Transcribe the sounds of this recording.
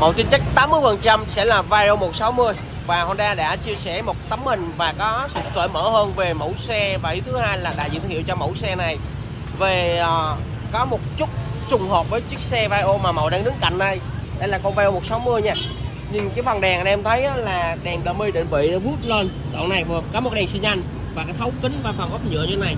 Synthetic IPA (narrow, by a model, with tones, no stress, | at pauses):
mə̰˧˨wt̪i˧nt͡ɕə˦˥k̚t̪aː˨˦mːɨ˧əjfə˨˩nt͡ɕa˧msɛ̰˧˥laː˨˩vaː˧jʔo˧mo˨˩t̚sa˨˦wmɨ˧əj | vaː˨˩ho˧˩nɗaː˧ɗa̰ː˧˥t͡ɕi˧əsɛ̰˧˩mo˨˩t̚t̪ə˨˦mːï˨˩ŋ̟vaː˨˩kɔ˨˦sɨ̰˧˨t̪ʰwə̰ː˧˨jmə̰ː˧˥həː˧nve˨˩mo̰˧˩wsɛ˧vaː˨˩i˨˦t̪ʰɨ˨˦haː˧jlaː˨˩ɗa̰ː˧˥zɨ̰˧˨˧t̪ʰḭ˧˨wt͡ɕɔ˧mə̰˧˩wsɛ˧na˨˩j | veː˨˩˨ | kɔ˨˦mo˨˩t̚t͡ɕʊ˦˥t̚t͡ɕʊ˨˩ŋ͡mɦoː˨˩p̚vəː˨˦jt͡ɕɨ˦˥k̚sɛ˧vaː˧jʔo˧maː˨˩mə˨˩wɗaː˧˩ŋɗɨ˨˦ŋka̰˧˨jŋ̟ɗə˧˩jɗə˨˦laː˨˩kɔ˧nvaː˧ʔo˧mo˨˩t̚sa˨˦wmɨ˧əjɲɛː˧ | ɲɨ˧ŋkaː˨˦jvə˨˩nɗɛ˨˩ŋʔə˨nʔɛ˧mt̪ʰə˨˦jʔːlaː˨˩ɗɛ˨˩ŋɗəː˧˩mi˧jɗe˧˦nɓḭ˧˨˧vu˦˥t̚ləː˧n | zɔ̰˧˨na˨˩jvɨ˨˩əkɔ˨˦mo˨˩k̚ɗɛ˨˩ŋsi˧nza˧jŋ̟ | vaː˨˩kaː˨˦jt̪ʰə˨˦wkï˨˦nvaː˧˩faː˨˩ŋʔə˦˥p̚ɲɨ̰˧˨əɲ˧˦na˨˩j